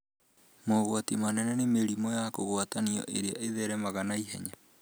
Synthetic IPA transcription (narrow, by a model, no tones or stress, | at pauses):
moɣwatimanɛnɛnemeɾimɔjakoɣwataniɔ̰ʔeɾea̰ʔeðɛɾɛmaɣanaiɦɛ̰ɲa